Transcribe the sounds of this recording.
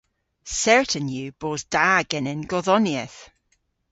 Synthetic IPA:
sɛɹʔə̃njʉːb̥oːzd̥aɡ̥ɪnɪ̃nɡɔðɔniəθ

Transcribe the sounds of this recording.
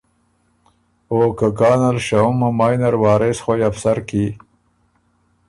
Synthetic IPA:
oːkakɑːnalʃaumamɑːjnɐɾwɑːɾesxojafsaɾki

